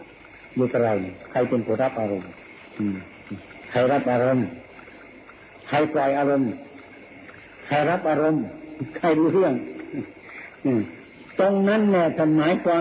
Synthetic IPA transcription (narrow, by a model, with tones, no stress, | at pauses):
juː˧k̪ʰa˧ɾa˧jkʰa˧˩jpe˧˨npʰuː˧˦nɾa˦˥p̚ʔaː˧ɾo˧m | ʔɯː˧˩˧ | kʰa˧˩jɾa˦˥p̚ʔaː˧ɾo˧m | kʰa˧˩jplaː˧˩jʔaː˧ɾo˧m | kʰa˧˩jɾa˦˥p̚ʔaː˧ɾo˧mkʰa˧˩jɾuː˧ɾɯ˥˩əŋ | ɯː˧˩ | t̪o˧ŋna˦˥˨nːɛ˧˨t̪ʰa˧˩nmaː˨˦jkwaː˧